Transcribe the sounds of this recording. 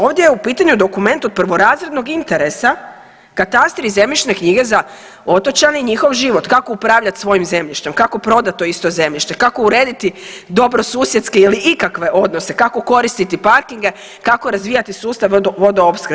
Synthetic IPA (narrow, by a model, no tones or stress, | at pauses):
o̞ːʋd̪ʲjejeupiːt̪aɲud̪o̞kume̞nt̪od̪̚prʋo̞ɾaːzɾed̪no̞ɡint̪e̞ɾesa | kat̪ast̪ɾize̞mʎiʃne̞kɲiɡe̞za | o̞t̪o̞t͡ɕaneiɲixo̞ʋʒiʋo̞t̪kakoupɾaːʋʎat̪sʋo̞jimze̞mʎiʃt̪e̞mkako̞pɾo̞d̪at̪t̪ːo̞ist̪o̞ze̞mʎiʃt̪ekako̞uɾeːd̪it̪id̪o̞bɾo̞suːsjet̪ske̞iliʔikakʋe̞ʔo̞d̪no̞se̞kako̞ko̞ɾist̪it̪ipaɾkiŋɡe̞ | kako̞ɾazʋiːjat̪isuːst̪aʋʋo̞d̪oopskɾ